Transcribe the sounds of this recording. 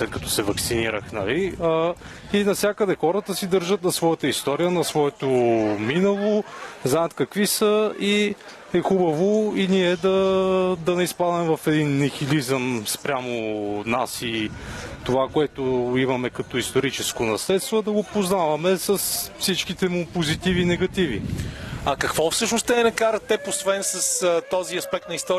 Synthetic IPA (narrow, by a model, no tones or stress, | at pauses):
slɛt̪̚kɐt̪ɔ̥sɛvɐksiniɾəxnɐliə | inɐfsʲjakəd̪ɛxɔɾət̪əsid̪ɤɾʒət̪̚nɐsvɔjət̪əist̪ɔɾijənɐsvɔɛt̪ominəlˠoznajət̪kɐkvisəi | ɛxubɐvoiniɛd̪ɐd̪ɐnɛispad̪ɛmvɐfɛd̪inːɛxilizəmspɾʲamonasit̪ovakoɛt̪ʊimɐmɛkɐt̪ɔist̪oɾit͡ʃɛskonɐslɛt̪st̪vod̪ɐɡopoznavɐmɛsəsfsit͡ʃkit̪ɛmʊpozit̪ivinɛɡɐt̪ivḭɐkɐkvɔfsɤʃnost̪ɛɛnɐkaɾət̪ːɛposvɛnsɐst̪ɔziɐspɛk̚t̪nɐist̪ɔɾi